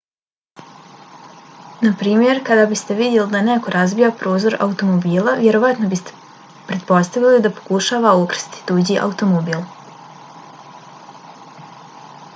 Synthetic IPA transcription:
napɾiːmje̞ɾkad̪abist̪e̞ʋid̪je̞lid̪aneko̞ɾazbijapɾo̞ːzo̞ɾʔa̰ut̪o̞mobiːlaʋʲje̞ɾo̞ʋat̪no̞bist̪e̥ | pɾe̞t̪̚po̞st̪aʋilid̪apo̞̥kuʃaːʋaukɾ̥st̪i̥d̪̥ud͡ʑiʔa̰ut̪o̞mobiːlˠ

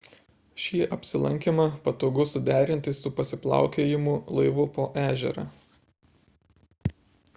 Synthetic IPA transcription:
ʃʲiːʔɐpʲsʲɪlˠɐ̰ŋʲkʲimɐpɐt̪oːɡʊsʊd̪ʲæːɾʲɪnʲt̪ʲɪsʊpɐsʲɪplˠɑ̰ˑʊkʲeːjɪmʊlˠɐɪʋʊpoːʔæːʒʲɛɾɐ̰ː

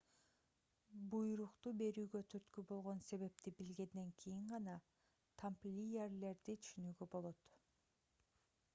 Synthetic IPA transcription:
bujɾuqt̪ube̞ɾyːɡø̞t̪ʰyɾt̪kybo̞lˠʁo̞nse̞βe̞p̚t̪ibilɡe̞nd̪e̞ŋkʰijiɴʁɑnɑ | t̪ʰamplʲijerle̞ɾd̪it̪ʰy̥ʃynyːɡøbo̞lˠo̞t̪

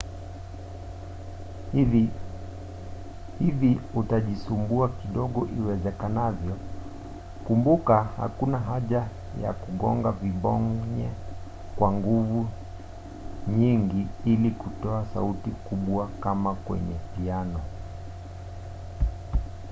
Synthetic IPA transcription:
hiviutaʄisumbuakiɗɔɠɔʔiwɛzɛkanavjɔ | kumbukaha̰kunaɦaʄa | ja̰kuɠɔŋɡaviɓɔŋɲɛ | kwaŋɡuvu | ɲiŋɡiilikutɔasa̰utikuɓwakamakwɛ̰ɲɛpianɔ

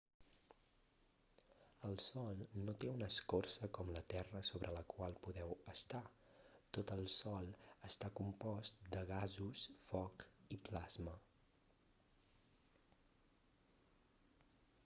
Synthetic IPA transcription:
əlˠsɔlˠnot̪eunəskorsəkɔmlət̪ɛrəsoβɾʔələkwalˠpuðɛwəst̪a | t̪ot̪əlˠsɔlˠəst̪akumpɔst̪d̪əɣazusfɔkiplazmə

